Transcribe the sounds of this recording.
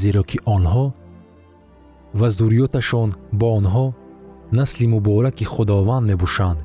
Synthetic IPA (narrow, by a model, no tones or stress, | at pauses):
zeɾɔkʰiʔɔnɦɔ | vazd̪uɾijɔt̪aʃɔnbɔːnɦɔnaslimubɔɾakiχud̪ɔvand̪me̞bɔʃand̪